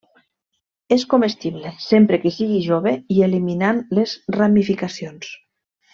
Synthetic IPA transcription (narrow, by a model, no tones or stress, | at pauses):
eskomest̪iβlesempɾekesiɣiʒoβeieliminanlezramifikasions